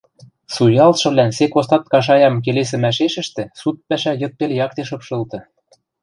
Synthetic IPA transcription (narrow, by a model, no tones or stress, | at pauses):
sujɑlt̪ʃɤ̆βlænsekost̪ɑt̪̚kɑʃ̬ɑjɑmk̬eles̬ɘ̆mæʃeʃɘ̆ʃt̪ĕsut̪̚pæʃæjɤ̆t̪̚peljɑk̚t̪eʃɤ̆pʃɤ̆lt̪ɤ̆